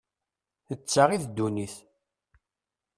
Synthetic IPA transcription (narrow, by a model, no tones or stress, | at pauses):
θət͡sːaʁiθd̪ːuniθ